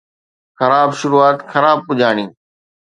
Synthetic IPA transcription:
xɐɾaːbʃʊɾuːaːt̪xɐɾaːb̚pʊd͡ʒaːɽ̃ĩː

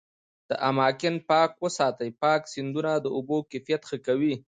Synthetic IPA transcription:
d̪̥əʔamɑkɪnpɑkwəsɑt̪əjpɑksɪnd̪unad̪əobokefijat̪xəkawi

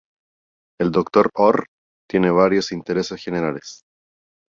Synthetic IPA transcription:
e̞ld̪okt̪oɾoɾ | t̪je̞neβ̞aɾjo̞sint̪eɾe̞sesxe̞neɾales

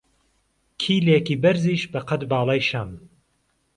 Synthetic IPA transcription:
kʰiːlekiːbɐɾziːʃbɐqɐd̪bɑːlˠɑːjʃɐm

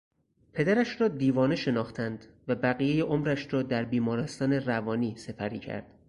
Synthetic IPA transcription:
pʰe̞d̪æɾæʃɾɒːd̪iːvɒːne̞ʃe̞nɒːxt̪ʰænd̪ | væbæɣiːjejeʔomɾæʃɾɒːd̪æɾbiːmɒːɾest̪ɒːne̞rævɒːniːse̞pʰæɾiːcʰæ̰ɾd̪̥

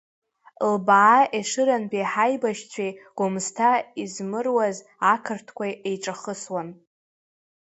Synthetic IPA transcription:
lbaʕːʔeʂɨɾanbʼeħajbaʃt͡ɕʷʰejɡ̥ʷʊmztʰaizmɨrwaz | akʰɨrtʰkʷʰajejʈ͡ʂʼaχəswan

